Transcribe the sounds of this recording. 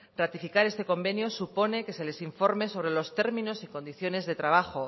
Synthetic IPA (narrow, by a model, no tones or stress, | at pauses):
rat̪ifikaɾe̞st̪eko̞mbe̞njo̞supo̞ne̞ke̞se̞le̞siɱfo̞ɾme̞so̞β̞ɾe̞lo̞st̪e̞ɾmĩno̞siko̞nd̪iθjo̞ne̞zðe̞t̪ɾaβ̞axo̞